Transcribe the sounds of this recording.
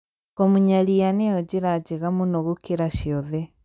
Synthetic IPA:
kɔmuɲalianejɔd͡ʒiɾad͡ʒiɣamunɔɣukeɾaʃjɔðɛ

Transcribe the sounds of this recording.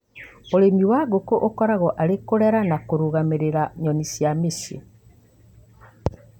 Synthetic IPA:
oɾemiwaɣokoʔokɔɾaɣɔʔaɾekoɾɛɾanakoɾuɣameɾeɾaɲɔnisjamesḛ

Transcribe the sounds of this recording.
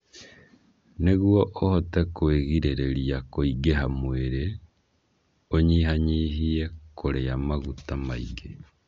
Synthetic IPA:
neɣwɔʔohɔtɛkweɣiɾeɾeɾiakoiɡeɦamweɾe | oɲiɦaɲiːɦiekoɾeamaɣutamaḭɡe

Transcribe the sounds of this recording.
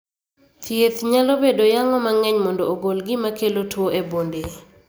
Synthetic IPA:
t̪jet̪ɲalobedojaŋɔmaŋɛɲmɔndooɡolɡɪmakelotwoʔebonde

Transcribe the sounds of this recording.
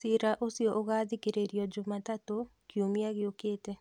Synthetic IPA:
siɾaʔosjɔʔoɣaðikeɾeɾjɔd͡ʒʊmatatokiomiaɣɪokeːte

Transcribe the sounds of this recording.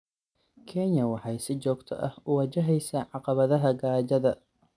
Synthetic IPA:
kʰɛnjɐwɑħɑjsɪt͡ʃɔːɡt̪ʰɔ̰ʔɐhʊwɐt͡ʃɐɦɛjsaːʕɑqɑβɐðɐɦɐɡaːt͡ʃɐðɐ

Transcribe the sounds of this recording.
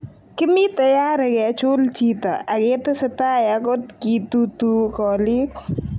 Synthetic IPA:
kɪmit̪ɐjaːɾɐɡɛt͡ʃoːlt͡ʃiːt̪ɐʔaɡeːt̪ɐsɐt̪aːjakɔt̪kiːt̪ut̪ukɔːlik

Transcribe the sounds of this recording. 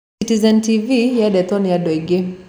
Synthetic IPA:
itizɛntivijaɗɛt̪ɔniadɔiɡɛ

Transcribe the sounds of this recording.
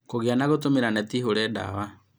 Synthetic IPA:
koɣeanaɣotomeɾanɛtiɦoɾɛda̰wa

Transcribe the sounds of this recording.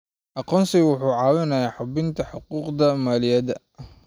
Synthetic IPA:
ʔɑqɔːnsɪwʊħuːʕɑːwɪnɐjaːħʊbɪnt̪ʰɐħʊquːqd̪ɐmaːlɪjɐd̪ɐ

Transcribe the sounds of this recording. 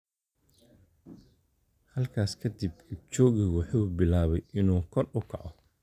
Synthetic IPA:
hɐlkʰaːskʰɐd̪ibɪt͡ʃɔːɣɪɣwʊħuːbɪlaːβɛjɪnuːkʰɔrʊkʰɑʕɔ

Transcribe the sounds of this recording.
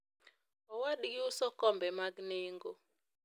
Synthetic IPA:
ɔwaɗɡɪosɔkɔmbɛmaɡneŋɡo

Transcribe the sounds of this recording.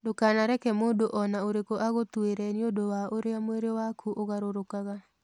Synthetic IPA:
dokanaɾɛkɛmoːdoʔɔnaoɾekoʔaɣotweɾɛniodowaʔoɾeamweɾewakʰuʔoɣaɾoɾokaɣa

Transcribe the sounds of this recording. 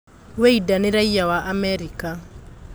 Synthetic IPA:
weidaneɾaijawaʔamɛɾika

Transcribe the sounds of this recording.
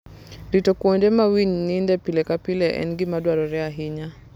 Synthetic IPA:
ɾitɔkuɔndɛmawiɲnindɛpilɛkapilɛʔɛ̰nɡimadwaɾɔɾɛaɦiɲa

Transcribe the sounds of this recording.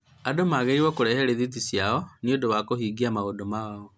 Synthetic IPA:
adomaɣeɾiwɔkoɾɛhɛɾeðit̬isjaɔniodowakohiːɡiamaodomaaɔ

